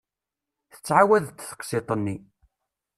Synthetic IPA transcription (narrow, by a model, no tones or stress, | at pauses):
θə̥t͡sːʕawæðt̪ːθə̥qset̪ˤənːi